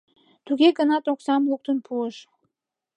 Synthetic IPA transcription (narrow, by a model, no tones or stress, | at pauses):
t̪uɣeɡənɑt̪oksɑmluk̚t̪ənpʰuəʃ